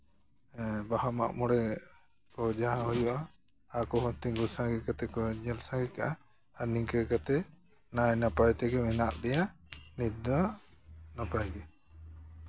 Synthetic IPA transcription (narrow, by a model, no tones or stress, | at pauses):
bahama̰ʔmɔɽɛ | kɔd͡ʒaɦãhujuʔaː | kɔɦɔt̪iŋɡusãɡɛkat̪ɛkɔɲɛlsãɡikaʔa | aniŋkɛkat̪ɛ | najnapajt̪ɛɡɛmɛnaʔd̪ɛjanid̪a | napajɡɛ